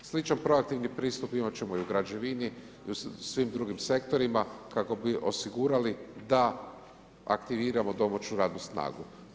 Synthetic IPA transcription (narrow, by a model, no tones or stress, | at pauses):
slit͡ʃanpɾo̞ak̚t̪iʋnipɾiːst̪upimat͡ɕe̞mo̞iuɡɾad͡ʑeʋini | usʋimd̪ɾuɡimse̞kt̪o̞ɾimakako̞biʔo̞siɡuːɾalid̪a | a̰kt̪iʋiːɾamo̞d̪o̞mat͡ʃuɾaːd̪nusna̰ːɡu